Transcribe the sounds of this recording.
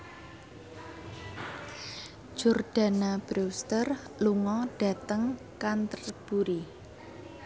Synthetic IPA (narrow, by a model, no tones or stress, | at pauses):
d͡ʒ̥orɖ̥a̤nab̥ɾust̪ər | luŋɔɖ̥ä̤t̪əŋ | kant̪ərb̥uɾi